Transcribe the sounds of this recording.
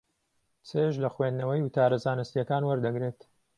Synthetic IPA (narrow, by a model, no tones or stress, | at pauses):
t͡sʰeʒlɐxwend̪nɐwɐjwʊt̪ʰaːɾɐzaːnɨst̪ijɐkaːnwɐɾd̪ɐɡɾeːt̪